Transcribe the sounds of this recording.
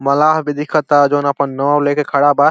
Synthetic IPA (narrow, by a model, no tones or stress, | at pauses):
məlaːɦbɪd̪ikʰət̪ad͡ʒoːnəpənːəəwlekekʰəɽaba